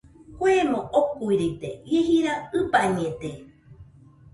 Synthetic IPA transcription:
kʷemõʔokuiɾit̪ejeɦiɾaɨpaɲẽt̪e

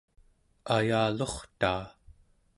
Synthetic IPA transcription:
ajaːloχt̪aː

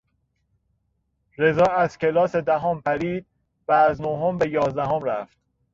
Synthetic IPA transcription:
ɾe̞zɒːæz̥cʰe̞lɒːse̞d̪æɦɒːmpæɾiːd̪̥̚ | væːznoɦombe̞jɒːzd̪æɦomɾæft̪

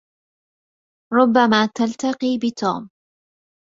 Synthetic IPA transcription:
ɾˤʊbːamaːt̪alt̪ɑqiːbɪt̪ṵːm

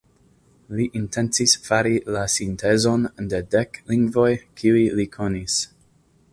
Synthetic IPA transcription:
liʔintent͡sisfaɾilasintʰe̞zo̞nde̞dekliŋɡvo̞jkʰiujlikʰo̞nis

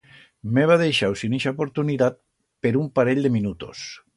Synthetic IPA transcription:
meβ̞aðejʃawsiniʃaopoɾt̪uniðat̪̚ | peɾumpaɾeʎʲd̪eminut̪o̰s

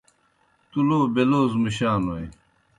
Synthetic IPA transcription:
t̪uloːbeloːzmuɕaːnoj

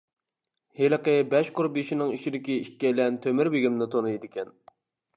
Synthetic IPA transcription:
heləqəbɛʃqʊɾbiʃinɪŋiʃid̪ɪkʲiiʃʲkʲːɛlɛnt̪ʰømɪɾbeɡʲimnɪt̪ʰonɨjd̪ɪkʲɛn

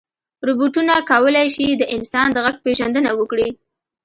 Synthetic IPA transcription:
ɾubuʈunakawəlajʃid̪əʔɪnsɑnd̪əɣaɡ̚peʒand̪ənawəkɽi

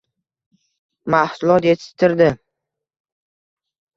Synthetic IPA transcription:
mahsʊlˠɒt̪jet̪ʰɪ̥t̪ʰɪɾd̪ɪ

